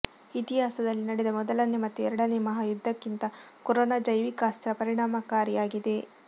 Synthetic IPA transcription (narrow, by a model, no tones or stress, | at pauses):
it̪iɦaːsɐd̪ɐlːinɐɽed̪ɐmɔd̪ɐlɐnemɐt̪ːuɛɾɐɽɐnemɐɦaːjud̪ʱːɐkːint̪ɐkɔɾoːnaːd͡ʒɐjʋikaːst̪ɾɐpɐɾiɳaːmɐkaːɾijaːɡid̪e̞